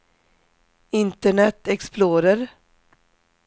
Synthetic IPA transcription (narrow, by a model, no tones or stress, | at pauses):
ɪnt̪əɳɛt̪ɛksploːɾəɾ